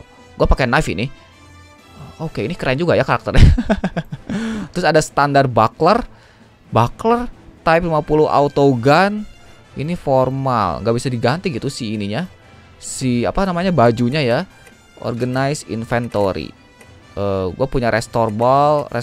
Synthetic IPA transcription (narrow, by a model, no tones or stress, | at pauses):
ɡ̥uapakenafḭnɪ | okeinikəɾaind͡ʒuɡajakaɾak̚t̪ərɲa | t̪ɾʊsadasə̥t̪andar̚baklər | baklərt̪aɪplimapuluʔa̰ut̪oɡan | iniforma̰lŋɡaʔbisadiɡant̪iɡit̪usiːniɲa | sia̰panamaɲabad͡ʒuɲaja | ʔɔ̰rɡanajsḭnfɛnt̪oɾḭ | ʔəɡuapuɲaɾʔɛst̪orbalrɛ